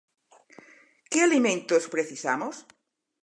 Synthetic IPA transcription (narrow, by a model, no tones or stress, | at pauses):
kealimẽnt̪ospɾeθisamos